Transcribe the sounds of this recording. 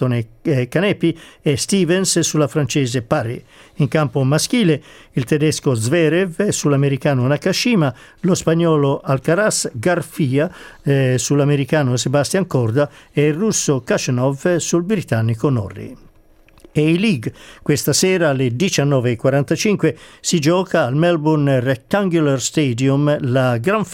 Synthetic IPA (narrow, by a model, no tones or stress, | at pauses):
onekanɛpːiɛst̪iːvɛnssulafɾant͡ʃɛːzepaɾḛ | iŋkampomaskiːleilt̪ɛd̪ɛskozvɛɾɛvsulameɾikaːnonakaʃiːma | lospaɲːɔːloʔalkaɾasɡaɾfiːa | sulameɾikaːnosebast̪jaŋkɔɾd̪aɛrːusːokat͡ʃnɔvsulbɾit̪anːikonɔ̰rːḭ | eiliɡkwest̪asɛːɾaled̪it͡ʃanːɔːveːkwaɾant̪at͡ʃiŋkwesid͡ʒɔːkaːlmɛlbunrɛk̚t̪aŋɡularst̪ed̪jumlaɡɾaɱf